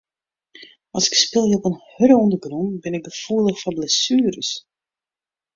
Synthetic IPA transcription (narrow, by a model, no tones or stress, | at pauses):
ʔɑlˠsɪ̥kspɪlˠjəopənhøɾəɔndəɡrunbɪnɪk̚ɡəfuəlˠəxfɔnblɛsyːɾəs